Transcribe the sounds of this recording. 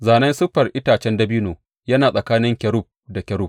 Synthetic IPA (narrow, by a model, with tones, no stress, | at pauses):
zaː˨nɐ˦nsʊ˦ɸɐ˨rʔɪ˦taː˨t͡ʃɛ˦ndɐ˦biː˦noː˨ | jɐ˦naː˨sʼɐ˨kaː˦nɪ˦ŋkʲɛ˨ɽʊ˦p̚da˨kʲɐ˨ɾʊ˦˨p̚